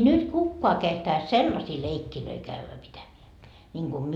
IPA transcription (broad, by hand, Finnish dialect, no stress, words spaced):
nyt kukːoɑ kehtɑis selːɑsiː leikːiløi kæʋːæ pitæmeæ nʲiŋɡ̊u myø